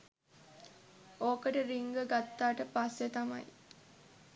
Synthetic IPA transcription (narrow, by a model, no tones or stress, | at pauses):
oːkəʈəɾiŋɡəɡat̪ːaːʈəpasːet̪ama̰j